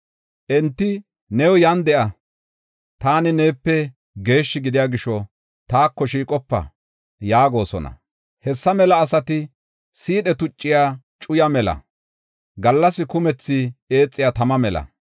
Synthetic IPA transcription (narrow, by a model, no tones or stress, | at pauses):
ʔɛnt̪ːɪ | nɛwjɐnd̪ɛʔɐ | t̪aːnɪne̞ːpːɛ | ɡe̞ːʃːɪɡɪd̪ɪjaːɡɪʃːɔ | t̪aːkːɔʃiːkʼɔpːɐ̰ | jaːɡo̞ːsɔ̰nɐ̰ | hɛsːɐmɛlɐːsɐt̪ɪ | siːɗɛt̪ʊt͡ʃʼːɪjaː | t͡ʃʼʊjɐmɛlɐ̰ | ɡɐlːɐsɪkʊmɛt͡sːɪe̞ːt͡sʼːɪjaːt̪ɐmɐmɛlɐ̰